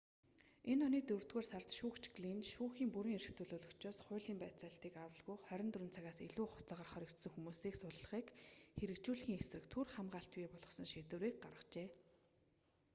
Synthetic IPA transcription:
enɔniːkt̪ɵwr̥t̪ɣoːrsart͡s̪ʃuːkt͡ɕɡɮinʃuːxiːmpuɾiːŋeɾɘ̆xt̪ʰɵɮoːɮɞ̆kt͡ɕɔːsχʊ̟ːɮiːmpæːt͡saːɬt̪iːkawə̆ɮɣujχœɾʲɪ̆nt̪rɵ̆nt͡sʰaɣaːseɮuːχʊ̥t͡saːʁə̆rχœɾʲɞ̆kt̪sə̆ŋxumuːsiːksʊɮɮə̆χiːkxeɾɘ̆kt͡ɕuːɮɣiːŋesrɘ̆kt̪ʰurχamɢaːɬt̪piːpɔɮɞ̆sɞ̆ŋʃeːt̪ɘ̆ɾiːk̚ɢarʁə̆t͡ɕeː

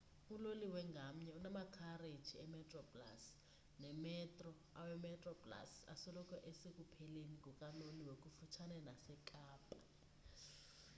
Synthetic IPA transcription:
uloliwɛŋɡʱam̩ɲɛunamakʰared̥t͡ʃʰiɛmɛtʼrɔpla̰s | nɛmɛtʼrɔ | a̰wɛmɛtʼrɔpʼla̰sa̰sɔlɔkʰɔʔesek̬ʼupʰɛleniɡʱɔkʼaloliwek̬ʼufut͡ʃʰanɛnasɛkʼaːpʼa

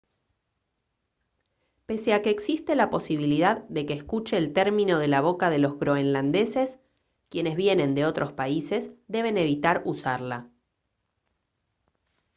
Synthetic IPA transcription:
pe̞seakeːksist̪elapo̞siβ̞iliðaðːe̞keːskut͡ʃeːlt̪eɾmĩno̞ð̞e̞laβ̞o̞kaðe̞lo̞zɣɾo̞enland̪e̞se̞s | kje̞ne̞zβje̞nẽ̞nd̪e̞o̞t̪ɾʔo̞spaise̞sd̪e̞β̞e̞ne̞βit̪aɾusaɾla

